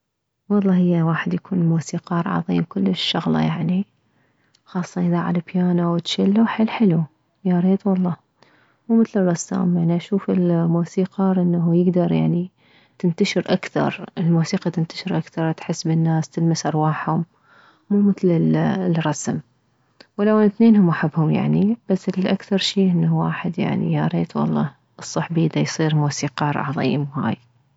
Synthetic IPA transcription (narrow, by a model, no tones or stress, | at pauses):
wɑlˤːɑːhɪjːawaːħɪd̪jakʰuːnmuːsiːqɑːɾˤʕɑ̰ðˤḭːmkʊlːɪʃːʊɣlɑ̰jaʕni | xɑːsˤːɑʔɪðaʕa̰labjaːnawɪt̪ʃɪlːaħɪlːħɪlu | jaɾeːt̪wɑlˤːɑː | muːmɪθlɪrˤːɑsːa̰ːmjaʕniʔaʃuːfɪlmuːsiːqɑɾˤʔɪnːaɦujɪɡd̪ɑɾˤja̰ʕni | t̪ɪnt̪aʃɪɾʔakθɑ̰ɾˤɪlmuːsiːqɑt̪ɪnt̪ḁʃɪɾʔakθɑɾˤt̪ħɪsːbɪnːaːst̪ɪlmasʔɑɾˤwaːħhʊmː | uːmɪθlɪllrˤɑsm | wɪlawant̪neːnhʊmʔaħabːhʊmja̰ʕnib̥asːɪlʔakθɑɾˤʃiːʔɪnːawa̰ːħɪd̪ja̰ʕnḭjaɾˤeːt̪wɑ̰lˤːɑ̰ː | ʔɨsˤːɑħbiːd̪ajsˤiːɾmuːsiːqɑːɾˤʔʕɑ̰ðˤḭːɪmha̰ːj